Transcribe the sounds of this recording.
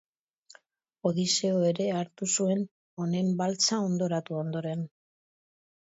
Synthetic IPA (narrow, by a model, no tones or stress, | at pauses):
o̞ðise̞oe̞ɾe̞aɾt̪usue̞n | o̞ne̞mbalt͡sao̞nd̪o̞ɾat̪uo̞nd̪o̞ɾe̞n